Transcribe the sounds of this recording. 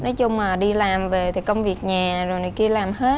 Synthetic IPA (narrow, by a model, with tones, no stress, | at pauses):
nɔ˨˦jt͡ɕʊ˧ŋ͡mmaː˨˩ɗi˧laː˨˩mve˨˩t̪ʰi˨˩kə˧wŋ͡mvi˨˩ək̚ɲaː˨˩zo˨˩jnɨ˨˩jki˧əlaː˨˩mɦe˨˦˥t̚